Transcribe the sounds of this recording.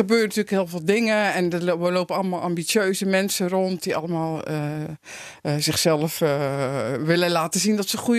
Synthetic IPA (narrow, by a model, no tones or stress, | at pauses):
əbøːrəntyəlkhɪːlˠvɪːlˠdɪŋəɛnʋəloːpəɑlˠəmaːlˠʔambisjøːzəmɛnsəront̚diʔɑ̰ləmaːlˠ | zɪxsɛlˠəf | ʋɪləlaːtəzindɔtsəχu